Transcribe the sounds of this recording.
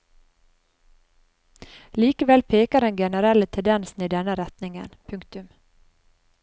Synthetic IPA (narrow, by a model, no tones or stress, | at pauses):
liːkəʋɛlpʰeːkaɾənɡɛnəɾɛlət̪ʰɛd̪ɛnsn̩iːd̪ɛnːəɾɛt̪nɪŋə̰npʰɵŋkt̪ɵm